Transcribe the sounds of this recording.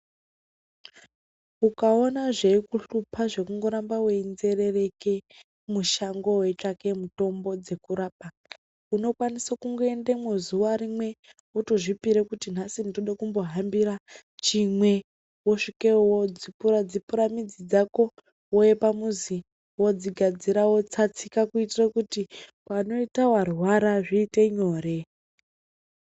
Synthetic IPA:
ukaonaʐeikuɬupʰaʐe̞kuŋɡo̞ɾambaweinze̞rere̞ke | muʃaŋɡo̞wet͡ʂake̞muto̞mbo̞d͡ze̞kuɾaːp̚a | uno̞kwanisakuŋɡoendemwezuʋaɾimwe̞ | utoʐipiɾekutin̤asindoɗakumbo̞ɦambiɾa | t͡ʃimwe̞ | woʂikewod͡zipurad͡zipuɾamid͡zid͡zako̞ | wojepamuzi | wod͡ziɡʱad͡ziɾawo̞t͡sat͡sikakuitirakutipano̞itawarwaɾaʐiːte̞ɲo̞ːɾe̞

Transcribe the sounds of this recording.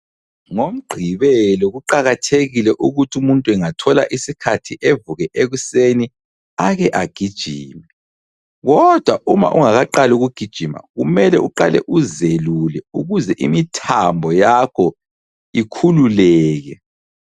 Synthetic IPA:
ŋom̩ɡ͡ǃʱiβɛlɔɣuǃaɣatʰeɣilɛʔuɣutʰumuntʼuwɛŋatʰɔla̰ʔisikʰatʰiʔevuɣɛʔeɣuseni | aɣɛʔaɡ̥ʱid̥ʒ̥ʱḭːmɛ | ɣɔd̥ʱwaʔuma̰ʔuŋaɣaǃaluɣuɡ̥ʱid̥ʒ̥ʱima̰ɣumɛlɛuǃalɛ̰ʔuzelulɛuɣuzɛʔḭmitʰambʱɔjakʰɔ | ikʰululɛːɣɛ

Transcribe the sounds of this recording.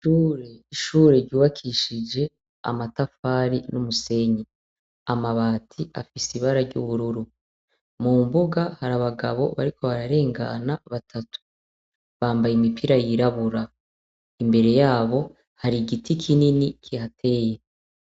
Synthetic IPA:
ʃuːɾe̞iʃuːɾe̞ɾɟuːβakʰiʃid͡ʒe̞ | a̰matafaːɾinumuse̞ɲe | amaβaːtʰia̰fisiβaɾaɾɟṵβuɾuɾu | muːmbuɡahaɾaβaɡaβo̞̰βa̰ɾikʰo̞βaɾaɾe̞ːŋɡa̰naβatʰatʰu̥ | βaːmbajimipʰiɾajiɾaβuɾa | imbe̞ɾe̞jaːβo̞ | haɾiɡitʰikʰininikʰihatʰe̞je

